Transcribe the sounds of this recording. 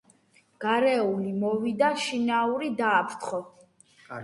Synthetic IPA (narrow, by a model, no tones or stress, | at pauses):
ɡ̥aɾɛulimɔvid̪aʃinauɾid̪aːpʰɾt̪χɔ